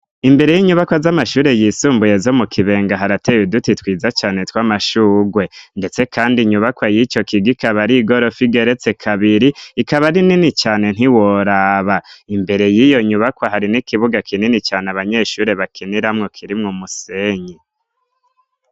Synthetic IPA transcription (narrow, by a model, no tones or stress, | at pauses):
imbe̞ɾe̞jiɲuβakwazamaʃuːɾe̞jiːsuːmbuje̞zo̞mukʰiβe̞ːŋɡaɦaɾatejudutitwiːzat͡ʃaːne̞twaːmaʃuːɡwe̞nde̞t͡se̞kʰaːndiɲuβakwajit͡ʃo̞kiɡikaβaɾiɡo̞ɾo̞fiɡe̞ɾe̞t͡se̞kʰaβiɾiːkaβaɾininit͡ʃaːne̞n̥iwoɾaβaimbe̞ɾe̞jijo̞ɲuβakwaɦaɾinikiβuɡakʰininit͡ʃaːnaβaɲeʃuːɾe̞βakʰiniɾamŋo̞kʰiɾimŋomuse̞ɲe